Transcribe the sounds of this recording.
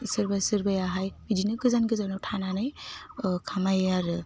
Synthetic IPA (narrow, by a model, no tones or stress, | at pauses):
sɯɾbajsɯɾbajaɦajid͡ʒinɯɡɯzanɡɯzanawtʰananɯj | kʰamajaɾɯ